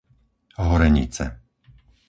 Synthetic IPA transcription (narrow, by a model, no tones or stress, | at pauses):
ɦɔɾɛɲḭt͡sɛ̰